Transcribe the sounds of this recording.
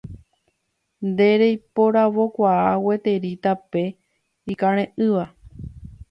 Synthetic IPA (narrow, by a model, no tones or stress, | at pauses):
nd̪e̞ɾejpo̞ɾaʋo̞kʷaawe̞t̪e̞ɾit̪ape̞ | ikãɾ̃ẽʔɨʋa